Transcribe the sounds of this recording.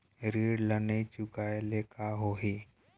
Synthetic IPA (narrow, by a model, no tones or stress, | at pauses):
ɾeːɽlənet͡ʃʊkaːeleːkaɦoːɦi